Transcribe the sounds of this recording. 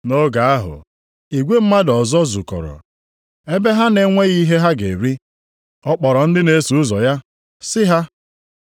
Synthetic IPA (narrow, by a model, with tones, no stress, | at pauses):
no˦ɡa˨a˦ɦʊ̰˨ | i˨ɡʷe˦m̩˦ma˦dɔ˨zɔ˦zu˨kɔ̰˨ɾɔ̰˨ | e˦be˦ɦa˦ne˦ŋʷe˦ɣi˦ɦe˦ɦa˦ɡe˨ɾi˦ | ɔ˦k͡pɔ˨ɾɔ˨n̩˦dɪ˦ne˨˦su˨ʊ˦zɔ˨ja˦ | sɪ˦ɦa˦